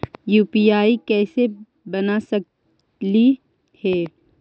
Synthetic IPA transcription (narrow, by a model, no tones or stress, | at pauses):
juːpiaːikɛːse | bɐnasɐk | li | hɛː